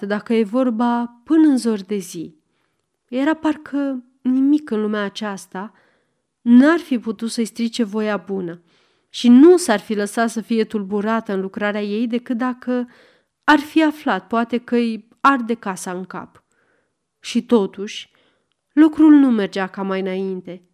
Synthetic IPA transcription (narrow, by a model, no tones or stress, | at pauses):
d̪akəje̞vo̞rbapɨnəɨnzo̞rʲd̪e̞zi | jeɾaparkʰə | nimikɨnlumeaːt͡ʃast̪a | narfiput̪ut̪səist̪ɾit͡ʃe̞vo̞jabunə | ʃinusarfiləsat̪səfije̞t̪urbuɾat̪əɨnlukɾaɾeaje̞jd̪e̞kɨt̪̚d̪akə | arfiaflat̪̚poat̪e̞kəɨj | ard̪e̞kasaɨŋka̰p | ʃit̪o̞t̪uʃʲ | lukɾulnume̞rd͡ʒakamajɨnaint̪e̞